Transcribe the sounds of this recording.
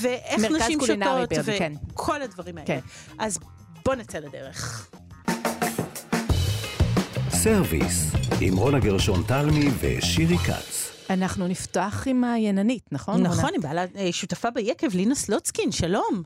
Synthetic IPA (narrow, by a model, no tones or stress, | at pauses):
veʔemeʁnakʃazimkuʃinaʁoibiveenkʰo̞lhadvɐʁimhaeee | ʔaz | b̥o̞nat͡seladḛʁeχ | seʁvḭsḭmʁo̞naɡeʁʃo̞nt̪almivḛʃiʁika̰t͡s | anaχnuniftoaχimajenanitnɐχonnaχonimbaːlaeʃutafabejekevlinoslot͡skinʃalo̞m